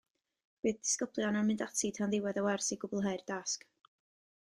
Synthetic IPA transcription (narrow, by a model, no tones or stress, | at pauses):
b̥ɨːðd̥ɪ̥skəblˠjɔnanmɪndatʰitʰanðɪwɛðəwɛrsiɡʊblˠɦeɨrd̥ask